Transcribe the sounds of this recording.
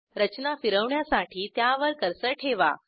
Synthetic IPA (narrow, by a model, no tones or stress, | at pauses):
ɾət͡ɕnafiɾəʋɳjasaʈʰiːt̪jaʋəɾkəɾsəʈʰeʋa̰